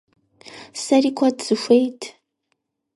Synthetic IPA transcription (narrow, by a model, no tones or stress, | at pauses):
sɐriːkʷʰɔdz̥ɨxʷejtʰ